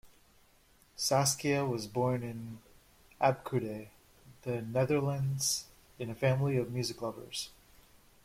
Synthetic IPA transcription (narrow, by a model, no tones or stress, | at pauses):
sæskiɨwʌzbɔɹnɪ̃n | ʔæb̚kʰʉɾe | ðɨnɛðə˞lə̃ndz̥ | ɨ̃nɨfæ̃mliʌvmjʉzɨklʌvə̰˞z̥